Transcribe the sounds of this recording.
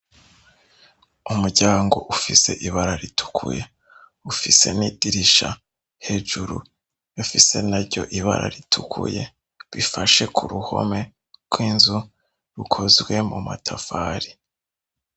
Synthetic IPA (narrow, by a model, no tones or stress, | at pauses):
umuɾɟaːŋɡo̞̰ʔufise̞ʔiβaɾaɾitʰu̥kʰṵje̞ | ufise̞̰nidiɾiʃa | he̞ːʒuɾṵ | afise̞̰naɾɟo̞̰ʔiβa̰ɾa̰ɾitʰukʰṵje̞̰ | βifaʃe̞kʰuɾuho̞̰me̞ | ɡ̥wiːnzu | ɾukʰo̞zɡwe̞muma̰tʰafaːɾi